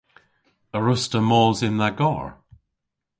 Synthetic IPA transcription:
əɹʊstəmɔːlzɪ̃nðəɡɔ̰ːɹ

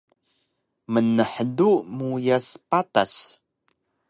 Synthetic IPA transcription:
mənəħəduʔmujaspata̰s

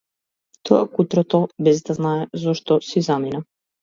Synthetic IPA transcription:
t̪ʰɔakut̪ɾɔt̪ɔbɛzd̪aznaɛzɔʃt̪ɔsizamina

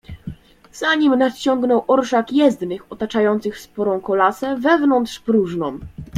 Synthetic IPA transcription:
z̥aɲimnat͡ɕɔŋɡnɔwʔɔɾʂakjɛzd̪nɘxɔt̪at͡ʂajɔnt̪sɘxspɔɾɔ̃w̃kɔlasɛvɛvnɔnt̪ʂpɾuʐnɔ̃w̃

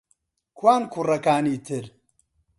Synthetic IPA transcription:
kwaːnkʰurɐkaːniːt̪ʰɪɾ

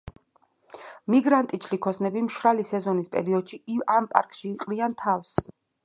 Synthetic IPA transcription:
miɡɾant̪ʼit͡ʃʰlikʰɔsnɛbimʃɾalisɛzɔnispʼɛ̰ɾiɔd̪̥ʃiampʼa̰ɾkʼʃiːqʼɾiant̪ʰafs

